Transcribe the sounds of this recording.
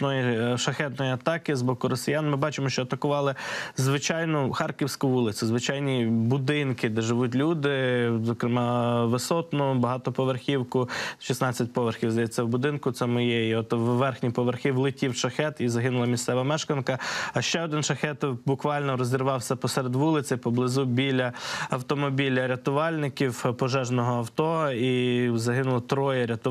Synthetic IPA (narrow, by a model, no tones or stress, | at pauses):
nɔjiʃɐxɛt̪nɔjiɐt̪ɑkɪzbɔkʊɾɔsʲɪjɑnmɪbɑt͡ʃɪmɔʃt͡ʃɔɐt̪ɐkʊʋɑlˠɪzʋɪt͡ʃɑjnɔxɑrkʲiwsʲkʊʋulˠɪt͡sʲsʲɪzʋɪt͡ʃɑjnʲibʊd̪ɪnkɪd̪ɛʒɪʋutʲlʲud̪ɪzɔkɾɪmɑʋɪsɔt̪nɔbɐɦɑt̪ɔpɔʋerxʲiwkʊʃisnɑt͡sʲːɐtʲpɔʋerxʲiwzd̪ɐjɛt͡sʲːɐwbʊd̪ɪnkʊt̪sɛmɔjɛjiɔt̪ʋːɛrxnʲipɔʋerxɪwlˠɪtʲiwʃɐxɛt̪izɐɦɪnʊlˠɐmʲist̪sɛʋɐmɛʃkɐnkɐɐʃt͡ʃɛɔd̪ɪnʃɐxɛt̪bʊkʋɑlʲnɔɾɔzʲɪɾʋɑwsʲɐpɔsɛɾed̪ʋulˠɪt͡sʲɪpɔblˠɪzubʲilʲɐɐwt̪ɔmɔbʲilʲɐɾʲɐt̪ʊʋɑlʲnɪkʲiwpɔʒɛʒnɔɦɔɐwt̪ɔizɐɦɪnʊlˠɐt̪ɾɔjɛɾʲɐt̪ʊ